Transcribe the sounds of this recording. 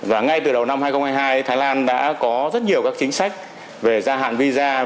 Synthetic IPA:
vaː˨˩ŋa˧jt̪ɨ˨˩ɗə˨˩wna˧mhaː˧jxə˧wŋ͡mhaː˧jɦaː˧jt̪ʰaː˨˦jlaː˧nɗa̰ː˧˥kɔ˨˦zə˦˥t̚ɲi˨˩əwkaː˦˥k̚t͡ɕï˨˦ŋ̟sa˦˥jk̟̚ | ve˨˩zaː˧ɦa̰ː˧˨nvi˧zaː˧

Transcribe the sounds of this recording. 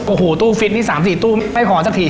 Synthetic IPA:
ʔo˨˩ho˨˩t̪u˧fi˨˩əni˧˩saː˨˦mzi˧˩t̪uː˧m˧˥a˧jxɔ˨˩˦t͡ɕaː˧˩t̪ʰi˨˩

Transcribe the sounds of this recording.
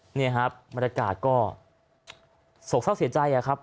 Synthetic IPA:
niː˥˩kʰa˦˥p̚ba˧nja˧ka̰ː˨˩t̪̚kɔː˥˩ | so˨˩k̚sa˥˩wsi˩˦t͡ɕa˧jʔa˨˩kʰa˦˥p̚

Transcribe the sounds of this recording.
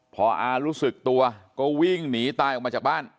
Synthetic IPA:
pʰɔː˨˧˩ʔaː˧ɾuː˦˥sɯ˨˩k̚t̪u˧ɐkɔː˥˩wi˥˩ŋniː˩˦t̪aː˧jʔɔ˨˩k̚ma˧t͡ɕaː˨˩k̚baː˥˩n

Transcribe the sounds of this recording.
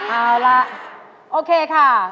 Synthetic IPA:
ʔaː˧˩la˦˥ʔ | ʔoː˧kʰeː˧kʰa˥˩

